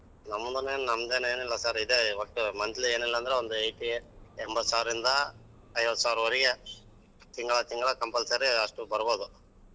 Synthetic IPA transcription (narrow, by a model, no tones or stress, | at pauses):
nɐmːund̪ɐneːnnɐmːd̪eːneːnilːɐsaːɾid̪eɐʈːumɐnd͡ʒɐlieːnilːɐːnd̪ɐɾeond̪uejʈiɛmbɐt̪ːu̥saːʋɪɾɾind̪ɐ | ɐjʋɐt̪ːu̥saːʋɾuʋɐɾiɡɐ | t̪iŋɡɐɭɐt̪iŋɡɐɭɐkɐmpɐlsɐɾiɐʂʈubɐɾɐboːd̪u